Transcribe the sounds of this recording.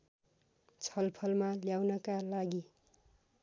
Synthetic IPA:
t͡sʰʌlpʰʌlmaljawnʌkalaɡi

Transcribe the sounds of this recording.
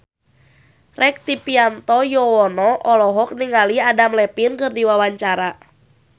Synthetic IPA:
rɛk̚t̪ipiant̪ɔjɔɔnɔʔɔlɔɦɔk̚niŋaliadamlɛpinkɨrdiwawaɲt͡ʃaɾa

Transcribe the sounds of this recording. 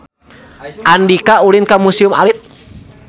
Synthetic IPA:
ʔandikaulinkamusiuma̰lit̪̚

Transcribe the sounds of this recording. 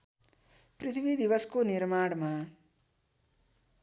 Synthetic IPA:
pɾit̪ʰʋid̪iʋɐskuniɾmaːɽma

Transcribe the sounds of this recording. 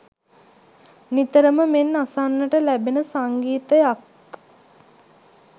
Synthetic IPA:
nit̪əɾəməmenːasanːəʈəlæbenəsaŋɡiːt̪əjak

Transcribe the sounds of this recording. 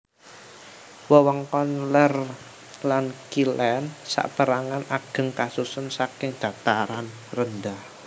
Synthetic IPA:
wəwɔŋkɔnlər | lankilɛnsa̰ʔpəɾaŋanaɡ̥ə̤ŋkasusənsakɪŋd̪̥a̤t̪aɾan | rənd̪ah

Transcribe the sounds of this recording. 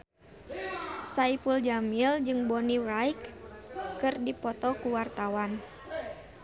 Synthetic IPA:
saipuld͡ʒamild͡ʒɨŋbɔnirajkː | ɨrdipɔt̪ɔkuwart̪awan

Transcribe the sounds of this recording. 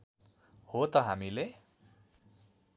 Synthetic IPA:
hot̪ʌɦamile

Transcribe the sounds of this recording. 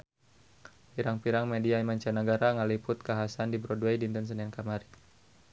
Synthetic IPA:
piɾaŋpiɾaŋmɛdiaimaɲt͡ʃanəɡaɾaŋalipʊt̪̚kaɦasandibɾɔdwɛjdint̪əns̬ənankamaɾi

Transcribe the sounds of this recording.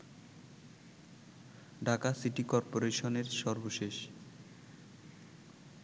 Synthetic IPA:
ɖʱakasiʈikɔɾpoɾeʃoneɾʃɔɾboʃeʃ

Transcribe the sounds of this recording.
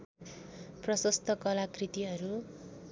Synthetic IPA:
prʌsʌst̪ʰʌkʌlakrit̪iɦʌɾu

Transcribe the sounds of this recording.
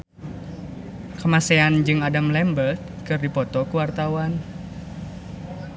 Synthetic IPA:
kəmaseand͡ʒɨŋadamlɛmbəlt̪̚kɨrdipɔt̪ɔkuwart̪awan

